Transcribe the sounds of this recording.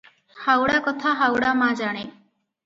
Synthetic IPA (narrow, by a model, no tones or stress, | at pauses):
hawɽakɔt̪ʰaɦawɽamãd͡ʒaɽ̃e